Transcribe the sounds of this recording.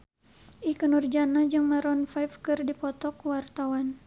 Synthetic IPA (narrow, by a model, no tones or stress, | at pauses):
ʔikənurd͡ʒanad͡ʒɨŋmaɾɔnfajfkɨrdipɔt̪ɔkwart̪awan